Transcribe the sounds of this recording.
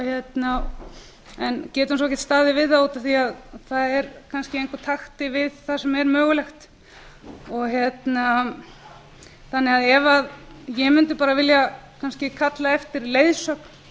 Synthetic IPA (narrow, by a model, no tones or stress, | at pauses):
çjɛt̪na | ɛncɛːt̪huns̬ɔɛçcːɛ̥t̪st̪aːðɪvɪðθauːt̪aθiaðθaðɛɾkʰanscɪejŋkʰaɾt̪ʰaxt̪ɪvɪðθasɛmɛɾmœːɣʏlɛxt̪ | ɔɣçjɛt̪na | θanːɪaðɛvaðjɛmʏnt̪ʏpaːɾavɪljakʰanscɪkʰat̪laɛft̪ɪɾlejðsœkn̥